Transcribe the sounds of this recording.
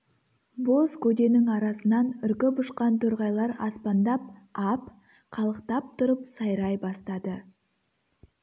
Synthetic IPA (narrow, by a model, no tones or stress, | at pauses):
bo̞skʰʲɵd̪e̞nɪŋɑɾɑsənɑnʏɾkʲɪbʊʃqɑnt̪ʰɵɾʁɑjlˠɑɾɑ̰spɑnd̪ɑp̚ɑp | qʰɑlˠəqt̪ɑp̚t̪ʰʊɾəpsɑjɾɑjbɑst̪ɑd̪ə